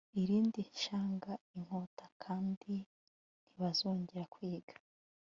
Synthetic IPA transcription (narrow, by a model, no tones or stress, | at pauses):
iɾiːndiʃaːŋɡaiŋ̥hotḁkʰaːndi | n̥iβazoːɲɟeɾakwiːɡ̥ḁ